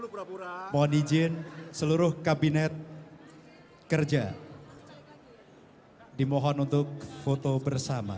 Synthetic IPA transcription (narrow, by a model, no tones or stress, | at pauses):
mɔɦɔnid͡ʒɪnsəluɾʊhkabinɛt̪̚ | kərd͡ʒa | dimɔɦɔnunt̪ʊk̚fot̪obərsama̰